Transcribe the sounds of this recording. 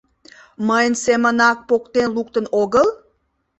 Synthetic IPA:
məjənsemənɑk̚pokt̪enluk̚t̪ənoɣəl

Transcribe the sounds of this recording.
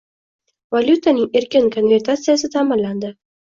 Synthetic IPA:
valʲjut̪ʰanɪŋe̞ɾkʲɪnkʰo̞nvʲe̞ɾt̪ʰat̪sɨjasɪt̪ʰamɪlːand̪ɪ

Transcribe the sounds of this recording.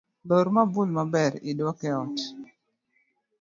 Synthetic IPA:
loɾmabulmabɛɾɪdwɔkɛɔt

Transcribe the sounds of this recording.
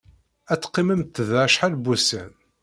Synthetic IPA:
æt͡sːqːiməmt̪ːəðæʃħalbusən

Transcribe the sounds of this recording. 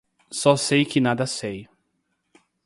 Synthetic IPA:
sɔsejkɪnad̪ɐsej

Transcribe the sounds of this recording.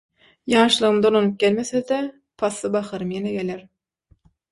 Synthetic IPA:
jɑːʃlˠɯʁɯmd̪olˠonup̚ɡ̥ʲelmeθed̪e | pʰɑsːɯbɑχɑɾɯmjeneɡe̞leɾ

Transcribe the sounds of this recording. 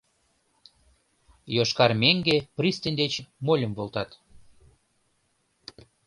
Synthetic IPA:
joʃkɑrmeŋɡeprist̪ənʲd̪et͡ɕmolʲəmvolt̪ɑt̪

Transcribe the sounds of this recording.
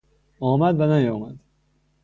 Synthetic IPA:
ɒːmæd̪vænæjɒːmæd̪̥

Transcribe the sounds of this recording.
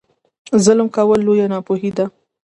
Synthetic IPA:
zələmkawəlːojanɑpoɦid̪a

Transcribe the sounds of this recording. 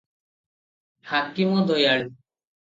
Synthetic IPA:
hakimɔd̪ojaɭi

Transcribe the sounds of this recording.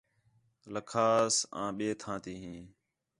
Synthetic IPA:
ləkʰaːsã̰ːɓeːt̪ʰãːt̪iːɦĩː

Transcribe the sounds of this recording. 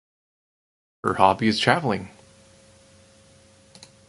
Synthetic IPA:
hə̰˞hɑbiɨz̥tʰɹ̥ævl̩ˠɪ̃ŋ

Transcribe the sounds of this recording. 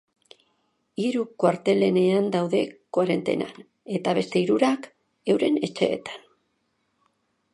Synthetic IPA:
iɾukwaɾt̪e̞le̞ne̞and̪awðe̞kwaɾe̞nt̪e̞̰na̰n | e̞t̪aβ̞e̞st̪e̞iɾuɾak | e̞wɾe̞ne̞t͡ʃe̞̰ːt̪ḁn

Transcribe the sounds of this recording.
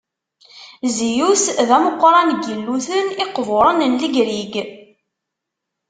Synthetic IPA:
zijusðæməqʷːɾˤɑnɡəlːuθənɪqːvʊɾˤənənləɡɾiɡ

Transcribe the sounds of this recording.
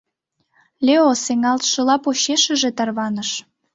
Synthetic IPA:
lʲeoseŋɑlt̪ʃɤ̆lɑpoɕeʃə̆ʒet̪ɑrβɑnəʃ

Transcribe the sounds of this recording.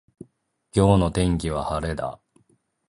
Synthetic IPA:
kʲo̞ːno̞t̪ẽ̞ŋk̬ʲiβ̞ahaɾe̞d̪a̰

